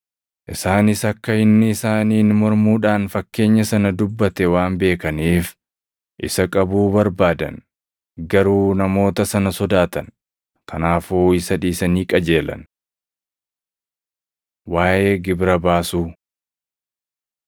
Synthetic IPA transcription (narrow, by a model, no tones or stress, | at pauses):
ʔɪsaːnɪsɐkːɐɪnːɪɪsaːniːnmɔɾmuːᶑaːnfɐkːe̞ːɲːɐsɐnɐd̪ʊbːɐt̪ɛwaːmbe̞ːkɐniːf | ʔɪsɐkʼɐbuːbɐɾbaːd̪ɐ̰n | ɡɐɾuːnɐmo̞ːt̪ɐsɐnɐsɔd̪aːt̪ɐn | kʰɐnaːfoːɪsɐᶑiːsɐniːkʼɐd͡ʒe̞ːlɐ̰n | waːjʔe̞ːɡɪbɾɐbaːsuː